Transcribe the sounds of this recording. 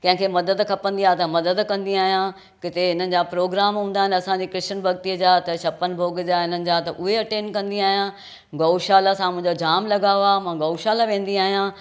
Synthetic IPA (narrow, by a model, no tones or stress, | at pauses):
kɐ̃ɦɪ̃kʰeːmɐd̪əd̪kʰɐpə̃nd̪iaːt̪ɐmɐd̪əd̪kɐ̃nd̪iaːɦijã | kɪt̪eɪn̤ənɪ̆d͡ʑaːpɾoːɡɾaːmɦũːn̆d̪aːɦɪ̃nɪ̆ɐsãɲd͡ʑiːkɾɪʃənbʱɐɡt̪iəd͡ʑaːt̪ɐɕʰɐpən̆bʱoːɡəd͡ʑaːɪn̤ənɪ̆d͡ʑaːt̪ɐʔʊɦeɐʈẽːnkɐ̃nd̪iaːɦijãː | ɡoːʃaːlasãmʊ̃ɪ̃ɲd͡ʑod͡ʑaːmlɐɡaːoamãːɡɐːʃaːlaʋẽːn̆d̪iaːɦijãː